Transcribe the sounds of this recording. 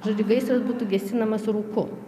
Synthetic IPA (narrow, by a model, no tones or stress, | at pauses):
ʒɐːd͡ʒʲuɡɐɪsɐsbuːt̪uɡʲɛsʲɪnɐmɐsɾuːkʊ